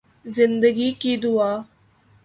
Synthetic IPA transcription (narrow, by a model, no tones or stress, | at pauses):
zɪnd̪əɡiːkiːd̪uaː